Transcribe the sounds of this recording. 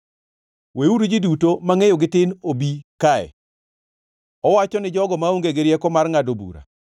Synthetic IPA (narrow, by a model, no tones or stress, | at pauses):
weuɾud͡ʒidutomaŋejoɡɪtɪnobikaɛ̰ | ɔwat͡ʃɔnɪd͡ʒɔɡɔmaoŋɡeɡeɾjekɔmarŋadobṵɾa̰